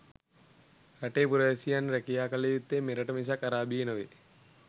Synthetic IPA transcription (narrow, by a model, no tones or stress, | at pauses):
ɾaʈeːpuɾəjesijanɾɛkijaːkalejut̪ːemeɾɐʈəmis̬akaɾaːbijenəʋḛ